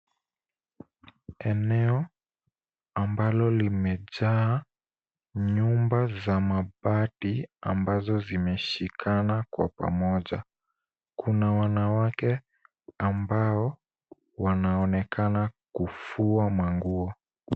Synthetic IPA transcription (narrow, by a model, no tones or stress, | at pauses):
ɛnɛɔ | ambalɔlimɛʄaː | ɲumbazamaɓatia̰mbazɔzimɛʃikʰanakwa̰pa̰mɔʄa̰ | kʰunawanawakɛ | ambaɔ | wanaɔnɛkʰanakufuamaŋɡuɔ